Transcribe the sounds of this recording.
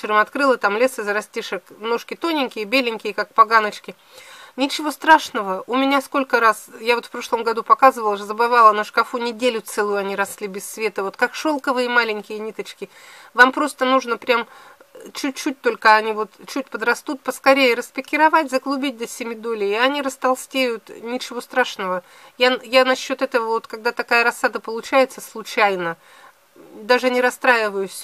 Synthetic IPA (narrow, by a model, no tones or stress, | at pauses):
t͡ɕɪɾəmɐt̪kɾɨlˠɨt̪amlʲe̞sɨzəɾɐsʲtʲiʂəkmno̞ʂkʲɪt̪o̞nʲɪŋʲkʲɪjəbʲelʲɪnʲkʲɪjəkak̚pɐɡanət͡ɕkʲɪ | nʲɪt͡ɕɪvo̞st̪ɾaʂnəvəʊmʲɪnʲasko̞lʲkəɾasjavot̪fpɾo̞ʂlˠəmɡɐd̪upɐkazɨvəlˠʐzəbɨvalˠənəʂkɐfunʲɪdʲelʲʊt̪sɛlʊjʊɐnʲiɾɐslʲibʲɪsːvʲe̞t̪əvo̞t̪kakʂo̞lˠkəvɨjəmalʲɪnʲkʲɪjənʲit̪ət͡ɕkʲɪ | vampɾo̞st̪ənuʐnəpɾʲamt͡ɕʉt̚ʲt͡ɕːut̚ʲt̪o̞lʲkəɐnʲivo̞t̪t͡ɕut̚ʲpəd̪ɾɐst̪ut̪̚pəskɐɾʲejɪɾəspʲɪkʲːɪɾɐvatʲzəɡlˠʊbʲit̚ʲd̪əsʲɪmʲɪd̪olʲɪɪɐnʲiɾəst̪ɐlˠsʲtʲejʊt̪nʲɪt͡ɕɪvo̞st̪ɾaʂnəvə | jajanɐɕːot̪ɛt̪əvəvo̞t̪kaɡ̚d̪at̪ɐkajəɾɐsːad̪əpəlˠʊt͡ɕæjɪt̪səslˠʊt͡ɕæjnə | d̪aʐɨnʲɪɾɐst̪ɾajɪvəjʊsʲ